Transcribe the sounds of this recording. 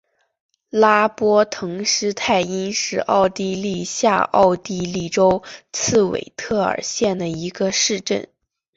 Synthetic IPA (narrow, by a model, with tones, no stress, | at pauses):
la˥pwɔ˥t̪ʰɤ˧˥ŋʂɻ̩˥t̪ʰa˥˩ɪi˥nʂɻ̩˥˧ʔɑ˥˧ʊt̪i˥˧li˥˧ɕja̰˥˧ʔɑ̰˥˧ʊt̪i˥˧li˥˩ʈ͡ʂo˥ʊt͡sʰɹ̩˥˩wḛ˨˩ɪt̪ʰɤ˥˩ə̰˞˨˩ɕjɛ˥˩nd̪ə˩i˧˥ɡə˧ʂɻ̩˥˧ʈ͡ʂə̰˥˩n